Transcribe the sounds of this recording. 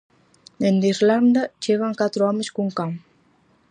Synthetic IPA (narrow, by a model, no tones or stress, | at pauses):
end̪iɾland̪at͡ʃeɣaŋkat̪ɾɔmeskuŋkaŋ